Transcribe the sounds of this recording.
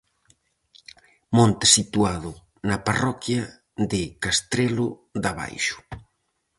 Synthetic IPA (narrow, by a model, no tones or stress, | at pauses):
mõnt̪ɪ̥sit̪uaðʊ | nɐparɔkja | ðɪkast̪ɾelʊðaβa̰jʃʊ̥